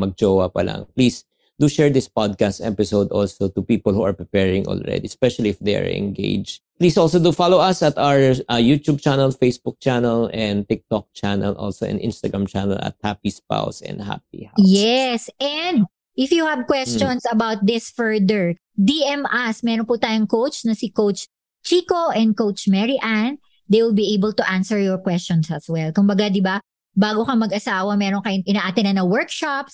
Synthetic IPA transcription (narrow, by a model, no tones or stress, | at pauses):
mɐɡ̚d͡ʒowɐpɐla̰ŋpliːs | d̪uʃɛɹd̪ɪspɔd̪̚kast̪ɛpɪsowd̪ɔ̰lsot̪upiːpɔlhuɐɹpɹɛpɛɹɪ̃ŋʔɔ̰lɹɛ̰d̪iɛspɛʃɐliɪfd̪eja̰ɹɪ̰̃nɡḛɪd͡ʒ | pliːsʔɔlsod̪ufalowɐsɐt̪awəjut̪ub̚t͡ʃanɛlfejsbʊk̚t͡ʃanɛlɛ̃nd̪t̪ɪk̚t̪ɔk̚t͡ʃanɐlʔɔ̰lso̰ʔɛ̰̃nʔɪ̃nst̪ɐɡɹãmt͡ʃanɐ̰lɐ̰t̪̚hapispa̰wsɛ̰̃nd̪ha̰p̚ḭhajɛsʔɛnd̪ | ʔɪfjuhɐbkwɛst͡ʃɔnsɐbawt̪̚d̪ɪsfɛɹd̪ɛɹ | d̪iɛmasmɛːɾonpʊt̪aːjʊŋkowt͡ʃnɐsɪkowt͡ʃ | t͡ʃiːkoʔɛ̃nd̪̚kowt͡ʃmɛɹiʔan | d̪ejwɪlbiʔejbɛlt̪ʊʔansɛɹjɔɹkwɛst͡ʃɔnsɐswɛlkʊmbɐɡad̪ɪba | baːɡokɐmɐɡɐsaːwɐmɛɾoŋkɐjoŋʔɪnaːʔaːt̪ɪnɐnɐwɔɹkʃaps